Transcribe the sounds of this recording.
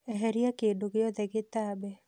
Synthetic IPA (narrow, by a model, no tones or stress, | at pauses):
ɛɦɛɾiakedoɡɪjɔd̪ɛɡɪt̪abɛ